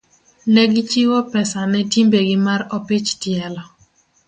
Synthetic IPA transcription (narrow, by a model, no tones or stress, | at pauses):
nɛɡɪt͡ʃiwɔpɛsanɛtimbeɡɪmaɾɔpit͡ʃtjɛlɔ